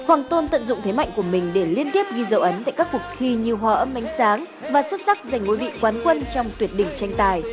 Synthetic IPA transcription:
hwaː˨˩ŋt̪o˧nt̪ə̰˧˨nzʊ̰˧˨ŋ͡mt̪ʰe˨˦ma̰˧˨jŋ̟ku˧˩əmï˨˩ŋ̟ɗe˧˩li˧ənt̪i˦˥əp̚ɣi˧zə̰˧˩wʔə˨˦nt̪a̰ː˧˨jkaː˦˥kːu˨˩k̚xi˧ɲi˨˩əwɦwaː˧˩ʔə˨˦mːa˨˦jŋ̟saː˨˦ŋ | vaː˨˩swə˦˥t̚za˦˥k̚za˨˩ŋŋo̰˧˦jvḭ˧˨kwaː˨˦nkwə˧nt͡ɕɔ˧wŋ͡mt̪wi˨˩ət̚ɗï˧˩ŋ̟t͡ɕa˧jŋ̟t̪aː˨˩j

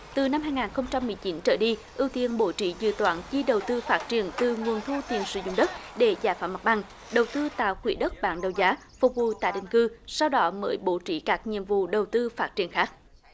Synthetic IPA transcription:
t̪ɨ˨˩na˧mhaː˧jŋaː˨˩nxə˧wŋ͡mt͡ɕa˧mːɨ˨˩əjt͡ɕi˨˦nt͡ɕəː˧˩jɗi˧ʔḭ˧˩wt̪i˨ənɓo̰˧˥t͡ɕḭ˧˥zɨ̰˧˨t̪wa̰ː˧˥nt͡ɕi˧ɗə˨˩wt̪ɨ˧faː˦˥t̚t͡ɕi˧˩ənt̪ɨ˨˩ŋu˨˩ənt̪ʰu˧t̪i˨˩ənsɨ̰˧˩˦zʊ̰˧˨ŋ͡mɗə˦˥t̚ɗe˧˩zaː˧˨˦jfaː˧˥ma˨˩t̚ɓa˨˧˩ŋ | ɗə˨˩wt̪ɨ˧t̪a̰ː˧˨wxwḭ˧˩əɗə˦˥t̚ɓa̰ː˧˥nɗə˨˩wzaː˨˦ | fʊ˨˩k͡p̚vṵ˧˨t̪a̰ː˧˨jɗï˨ŋ̟kɨ˧sa˧wɗɔ˨˦mə̰ː˧˦jɓo̰˧˥t͡ɕḭ˧˩˥kaː˦˥k̚ɲḭ˧˨əmvṵ˧˨ɗə˨˩wt̪ɨ˧faː˦˥t̚t͡ɕi˧˩ənxaː˦˥k̚

